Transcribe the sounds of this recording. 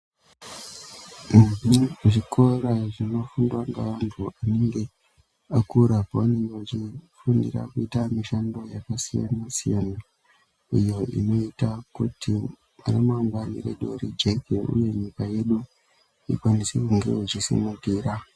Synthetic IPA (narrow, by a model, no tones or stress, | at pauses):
m̩iʐikʰo̞raʐino̞fundwaŋɡa̰ʋantʰuʔane̞ŋɡe̞ | akuɾapaane̞ŋɡewat͡ʃifundḭra̰kuitamiʃando̞jakasija̰nasijana | ijo̞ḭno̞itakutʰi | a̰rimaŋɡwanḭɾḛɗoɾid͡ʒekeṵje̞ɲikaje̞ɗu | ḭkwanisikuŋɡḛut͡ʃisḭmuɡiɾa